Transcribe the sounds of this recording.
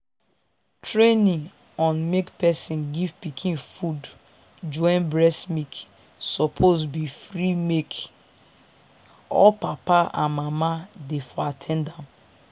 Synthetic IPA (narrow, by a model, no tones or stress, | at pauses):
tɹenĩ | ɔ̃nmekpɛsĩnɡivpikʰĩnfud | d͡ʒɔ̃ɪ̃nbɹɛsmik | sɔpʰosbifɾimek | ɔ̰papaã̰nmamadefɔatʰɛ̃ndãm